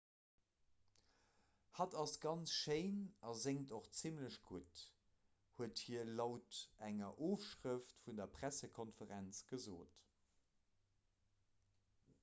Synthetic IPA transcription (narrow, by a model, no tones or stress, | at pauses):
hɑdɑsɡ̥ɑnt͡sʃeɪnɑzeŋtoχt͡simləɕɡ̥ut | huəthiːəɐlɑʊtæŋɐʔoːfʃʁəftfundɐpʁæsəkʰɔnfəʁænt͡sɡ̥əzoːt